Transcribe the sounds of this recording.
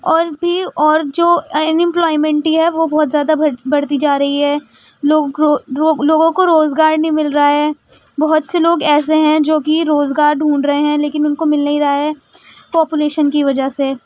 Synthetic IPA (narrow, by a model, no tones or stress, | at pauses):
ɔːɾbʱiɔːɾd͡ʒoːnɪ̃mplɔːɪmɛ̃ɳʈiɦɛʋobɔːt̪zjaːd̪abɐɽt̪id͡ʒaːɾɐɦiɦɛː | loː | loːɡõkoɾoːzɡaːɾnɐɦĩmɪlɾɐaɦɛː | bɐɦʊt̪seloːɡɛːs̬eɦɛ̃d͡ʒoːkiɾoːzɡaːɾɖʱũːɳɾɐɦeɦɛ̃leːkɪnʊnkomɪlnɐɦiɾɐaɦɛː | pɔːpuleːʃənkiʋɐd͡ʒase